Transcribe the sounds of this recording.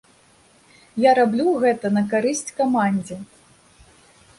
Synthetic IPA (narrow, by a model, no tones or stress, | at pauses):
jaɾablʲuɣɛt̪ɐnɐk̬aɾɨsʲt͡sʲkamanʲd͡zʲɛ